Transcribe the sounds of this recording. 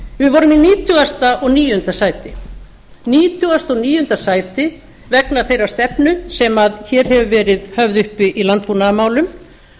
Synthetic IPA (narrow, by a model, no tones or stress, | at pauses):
vɪvɔːɾʏminiːt̪ʏɣast̪aʔɔɣniːjʏnt̪asaːjt̪ɪ | niːt̪ʰʏast̪ɔɣniːjʏʏnt̪asaːjt̪ɪ | vɛknḁθejɾast̪ɛpnʏsɛmaðçɛːɾ̥ɦɛvʏvɛːɾɪðhœvðʏhpɪʔilant̪̚punamaːwlʏm